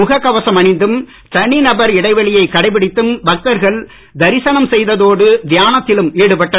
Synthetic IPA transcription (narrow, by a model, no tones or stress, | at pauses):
ʊɣɐkːɐʋɐsɐmɐɳɪnd̪ɯm | t͡ʃɐɳinɐbɐɾɪɽɐɪʋɐɭɪjɐɪkːɐɽɐɪpɪɽɪt̪ːɯmbɐk̚t̪ɐɾɣɐɭ | d̪ɐɾɪsɐnɐmsɛjðɐðoːɽɯd̪ɪjaːnɐt̪ːɪlɯmeːɽɯpɐʈːɐ